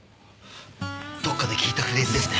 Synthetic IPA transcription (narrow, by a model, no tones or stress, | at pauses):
d̪̥o̞kːad̪ekʲʰiːt̪akɯɾeɾid̪esɨne